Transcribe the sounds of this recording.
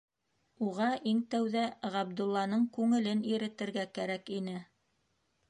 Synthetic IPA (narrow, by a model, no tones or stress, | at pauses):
uʁɑʔiŋt̪æwðæʁɑbd̪ulˠːɑnɤɴkʉŋɘ̆lɘniɾɘ̆t̪ɘ̆ɾɡækæɾækinɘ